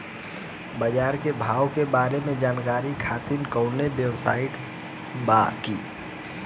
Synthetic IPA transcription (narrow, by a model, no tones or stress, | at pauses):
bəd͡ʒaːɾkebʱaːwkebaːɾemẽd͡ʒaːnkaːɾikʰaːt̪inkəʊnebjəwsa̰ːɪʈ | baːkiː